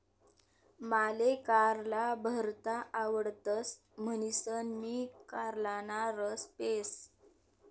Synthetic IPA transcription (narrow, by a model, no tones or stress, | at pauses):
malekaɾlabʱəɾt̪aʔːʋəɽt̪əs | mənisənmiːkaɾlanaɾəspes